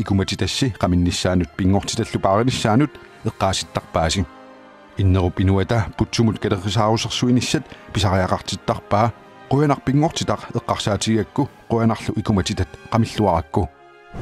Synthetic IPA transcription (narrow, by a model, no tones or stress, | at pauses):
ikumɐt͡ʃit̪aʃːiqɑminːiʃːaːnut̪̚piŋːoqt͡ʃi̥t̪aɬupaːʁiniʃːaːnut̪ | eqːɑːsi̥t̪ːɑq̚paːʃi | inːəʁopinuat̪aput͡ʃːumut̪kɐɾeχsɑːʁosɑqsuiniʃːɐt̪̚piʃɑʁɑjɑqɑqt͡ʃit̪ːɑqpaː | qojanɑq̚piŋːoqt͡ʃit̪ɑqəqːɑqʃaːt͡ʃijakːuqoanɑqɬuʔikumɐt͡ʃit̪ɐt̪qɑmiɬːuɑʔɑkːu